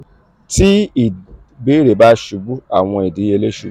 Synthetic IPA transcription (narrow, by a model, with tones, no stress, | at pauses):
ti˦i˨ | be˦ɾe˨˦ba˦ʃu˧bu˦a˦˨w̃ɔ̃˧i˨di˨˦e˧le˦ʃu˧˦